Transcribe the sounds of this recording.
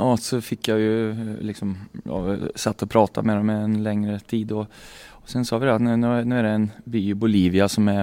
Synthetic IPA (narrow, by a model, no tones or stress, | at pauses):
ɑsɔfɪkːjajɵlɪksɔmjɑ̰sat̪ːɔpʰɾɑːt̪ʰa̰meːɾɔmɛɛnlɛŋɾət̪ʰiːd̪ɔ | sɛnsɑːʋɪd̪ɛat̪nʉːnʉnʉːæɾɖɛɛnbyːbʊliːvɪasɔmɛ